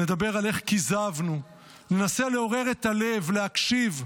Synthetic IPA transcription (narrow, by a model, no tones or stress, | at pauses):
ne̞d̪abe̞ʁale̞χkizavnu | nenase̞le̞o̞ʁe̞ʁe̞t̪ale̞vleakʃiv